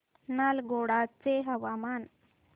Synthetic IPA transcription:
nalɡoɽat͡seɦəʋaman

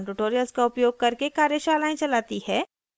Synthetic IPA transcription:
ʈʊʈoːɾijəlzkaʊpjoːɡ̚kɐɾkekaːɾjəʃaːlaːĩt͡ʃɐlaːt̪ihɛː

